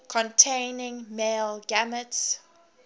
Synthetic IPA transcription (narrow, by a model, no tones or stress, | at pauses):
kʰɔ̃ntʰẽɪnɪ̃ŋmeːlɡaməts